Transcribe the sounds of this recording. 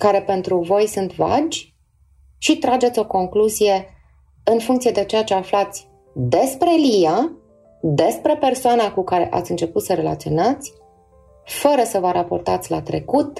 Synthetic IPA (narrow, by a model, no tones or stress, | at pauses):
kaɾe̞pe̞nt̪ɾuvo̞jsunt̪va̰d͡ʒʲ | ʃit̪ɾad͡ʒe̞t̪sʲo̞ko̞ŋkluzije̞ | ɨnfuŋkt̪sijed̪e̞t͡ʃe̞jat͡ʃe̞aflat̪sʲ | d̪e̞spɾe̞lija | d̪e̞spɾe̞pe̞rsoanakukaɾe̞̰ʔa̰t̪sʲɨnt͡ʃe̞put̪səɾe̞la̰t̪sio̞nat̪sʲ | fəɾəsəvəɾapo̞rt̪at̪sʲlat̪ɾe̞kut̪